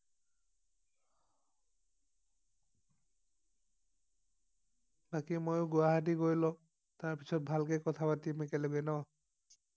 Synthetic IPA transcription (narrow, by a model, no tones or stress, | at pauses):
bakimojʊɡʊaɦatiɡojlɔ | taɹpisɔt̚bʱalkɛkɔtʰapatimekɛleɡɛnɔ